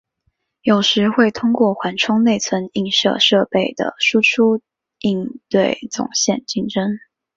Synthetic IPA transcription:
jo˨˩ʊʂɻ̩˧˥xwe˥˩ɪt̪ʰʊ˥ŋkwɔ˥˩xwa˧˥nʈ͡ʂʰʊ˥ŋne˥˩ɪt͡sʰwə˧˥ni˥˩ŋʂɤ̰˥˧ʂɤ˥˧pe˥˩ɪd̪ə̰˩ʂu˥ʈ͡ʂʰu˥ | i˥˧nt̪we˥˩ɪt͡sʊ̰˨˩ŋɕjɛ˥˧nt͡ɕi˥ŋʈ͡ʂə˥ŋ

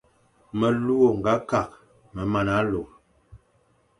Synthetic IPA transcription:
mə˨lu˦o˨ŋ̩˨ɡa˨˦ka˨k̚ | mə˨ma˨na˨˦lo˨

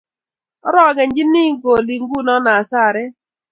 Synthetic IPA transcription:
ɔ˦ɾɔ˦˨ɡɛ˨ɲd͡ʒi˦ni˦ɡo˨li˨ŋɡu˦nɔ˦na˨sa˦˨ɾɛ˦

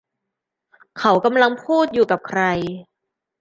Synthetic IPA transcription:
kʰa˨˦wka˧mla˧ŋpʰuː˥˩t̪̚juː˨˩ka˨˩p̚kʰɾa˧j

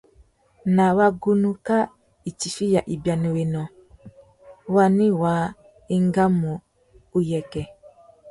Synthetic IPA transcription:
na˨wa˦ɡu˦nu˦ka˦ | i˨ti˨fi˦ja˨ʔi˨ba˨nu˨we˨nɔ˨ | wa˦ni˦waː˨˦ | i˦ŋɡa˦mu˨ | u˦jɛ˨kɛ˨

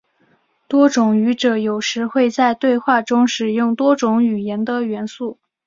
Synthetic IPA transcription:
t̪wɔ˥ʈ͡ʂʊ˨˩ŋy˧˥ʈ͡ʂɤ˨˩jo˨˩ʊʂɻ̩˧˥xwe˥˧ɪt͡sa˥˧ɪt̪we˥˧ɪxwa˥˩ʈ͡ʂʊ˥ŋʂɻ̩˨˩jʊ˥˩ŋt̪wɔ˥ʈ͡ʂʊ˧˥ŋy˨˩jɛ˧˥nd̪ə˧ɥɛ˧˥nsu˥˩

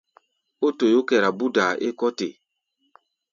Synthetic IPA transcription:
o˦to˨jo˦kɛ˨ɾa˨bu˦da˨ʔe˦kɔ˦te˨

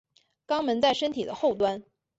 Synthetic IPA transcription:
kɑ˥ŋmə˧˥nt͡sa˥˩ɪʂə˥nt̪ʰi˨˩d̪ə˦xo˥˩ʊt̪wa˥n

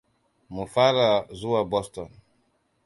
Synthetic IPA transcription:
mu˨fa˦ɾa˨zu˦wa˨bɔ˦stɔ˨n

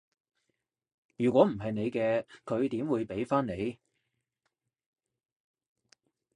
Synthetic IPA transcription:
jyː˨˩kʷɔː˨˥m̩˨˩ɦɐ˨jne˨˧jkɛː˧kʰɵ˨˧ɥt̪iː˨˥mwuː˨˧jpe˨˥jfaː˥ne˨˧j

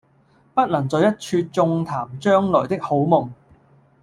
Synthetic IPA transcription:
pɐ˥t̚lɐ˨˩ŋt͡sɔː˨˧jɐ˥t̚t͡ʃʰyː˧t̚t͡sʊ˧ŋt̪ʰaː˨˩mt͡ʃœː˥ŋlɔː˨˩jt̪ɪ˥k̚ho˨˥wmʊ˨ŋ

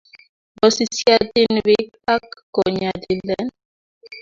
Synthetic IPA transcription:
bɔ˨si˦˨si˦a˦di˦nwi˦ | a˦kːɔ˨ɲa˨di˨lɛ˦n

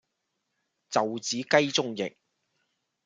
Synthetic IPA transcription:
t͡sɐ˨wt͡siː˨˥kɐ˥jt͡sʊ˥ŋjɪ̰˨k̚

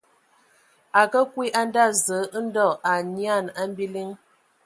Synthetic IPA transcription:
a˨kə˦kwi˦ʔa˦n˦da˦zə˨˦n̩˦dɔ˦˨a˨ɲi˦a˦˨na˦m˦bi˦li˦ŋ

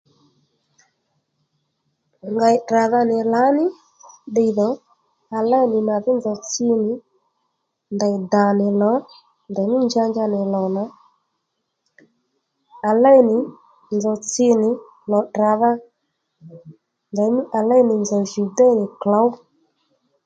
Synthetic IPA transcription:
ŋɡa˧ɪ˨ɗra˨ða˧nɪ˨la˨˦nɪ˦ | ɗe˧ðɔ˨˦ | a˨la˦jnɪ˨na˨ðɪ˦nzɔ˨t͡sɪ˧nɪ˨˦ | nda˨jda˨nɪ˨lɔ˨˦ | nda˨˦mɪ˦nd͡ʒa˧nd͡ʒa˧nɪ˨lɔ˨na˨˦ | a˨la˦jnɪ˨ | nd͡zɔ˨t͡sɪ˧nɪ˨ | lɔ˨dra˨ða˧ | da˨˦m˦a˨la˦jnɪ˨nd͡zɔ˨ʒu˨da˦nɪ˨kla˨˦w

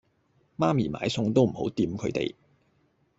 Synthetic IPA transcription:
maː˥miː˨˩ma̰ː˨˧jsʊ˧ŋt̪o˥wm̩˨˩ho̰˨˥wt̪iː˧mkʰɵ˨˧ɥt̪ḛ˨j

